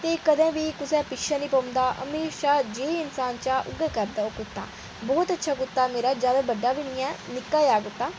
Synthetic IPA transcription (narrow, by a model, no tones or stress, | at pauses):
t̪eːkəd̪ɛ̃ːʋiːkʊsɛ̃ːpɪkʃãːniːpə̃ːʊ̃nd̪aːʔə̰meːʃaːd͡ʒeːɪnsaːnt͡ʃaːʔʊ̰ɡɛːkəɾd̪aːoːkʊt̪ːa̰ː | bɔːt̪ətːʃʰaːɡʊt̪ːaːmeːɾaːd͡ʒjaːd̪aːbəɖːaːbɪɳ̃ɪɛːnɪkːaːjaːɡʊt̪ːaː